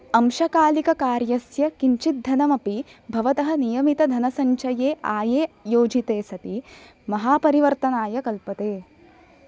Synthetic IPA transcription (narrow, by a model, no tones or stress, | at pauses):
ɐmʃɐkaːlikɐkaːɾjɐsjɐkiɲt͡ʃit̪̚d̪ʱːɐnɐmɐpibʱɐʋɐt̪ɐɦɐ̆nijɐmit̪ɐd̪ʱɐnɐsɐɲt͡ʃɐjeːʔaːjeːjoːd͡ʒit̪eːsɐt̪i | mɐɦaːpɐɾiʋɐɾt̪ɐnaːjɐkɐlpɐt̪eː